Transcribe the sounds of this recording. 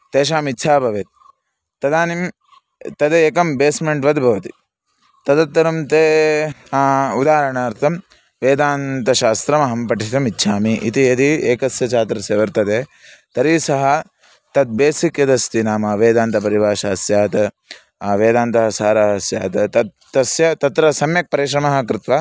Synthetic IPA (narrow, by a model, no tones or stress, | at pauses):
t̪eːʃaːmitːt͡ʃʰaːbʱɐʋeːt̪̚ | t̪ːɐd̪aːnim | t̪ɐd̪eeːkɐmbeːsmeɳʈʋɐd̪bʱɐʋɐt̪i̥ | t̪ɐd̪ɐt̪ːɐɾɐmt̪eː | ud̪aːɾɐɳaːɾt̪ʰɐm | ʋeːd̪aːnt̪ɐʃaːst̪ɾɐmɐɦɐmpɐʈit̪ɐmitːʃʰaːmiʔḭt̪ied̪ieːkɐsjɐt͡ʃaːt̪ɾɐseːʋɐɾt̪ɐd̪eː | t̪ɐɾiːsɐɦɐ | t̪ɐd̪̚beːsikjɐd̪ɐst̪inaːmɐʋeːd̪aːnt̪ɐpɐɾiʋaːʃɐsjaːt̪ɐ | ʋeːd̪aːnt̪ɐɦɐsaːɾɐɦɐsja̰ːt̪ɐt̪ɐt̪̚ː | ɐsjɐt̪ɐt̪ɾɐsɐmjɐk̚pɐɾiʃɾɐmɐɦɐ̆kɾɪt̪ʋaː